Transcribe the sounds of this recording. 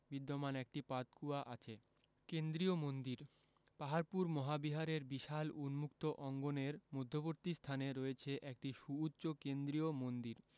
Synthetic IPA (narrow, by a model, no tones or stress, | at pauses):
bid̪ːomanɛk̚ʈipat̪kʰuaʔat͡ɕʰe | kend̪ɾiomond̪iɾ | paɦaɾpuɾmɔɦabiɦaɾeɾbiʃalunmukt̪oʔɔŋɡoneɾmod̪ʱːoboɾt̪ist̪ʰaneɾoet͡ɕʰeʔɛk̚ʈiʃuːtːɕokend̪ɾijomond̪iɾ